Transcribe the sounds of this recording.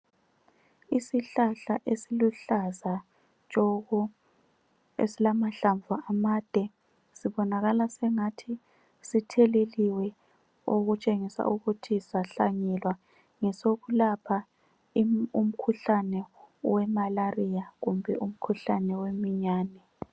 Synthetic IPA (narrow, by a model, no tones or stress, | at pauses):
isiɬaɬaʔesiluɬaza | t͡ʃʼɔɣɔ | ḛsilamaɬaɱvʱaʔamad̥ʱɛ | siβɔnaɣalasɛŋatʰi | sitʰɛleliwɛ | oɣut͡ʃʼeŋisa̰uɣutʰizaɬaɲɛlwa | ŋɛsoɣulapʰa | ium̩kʰuɬanɛwɛmalarijaɣumbʱɛʔum̩kʰuɬanɛwemiɲaːnɛ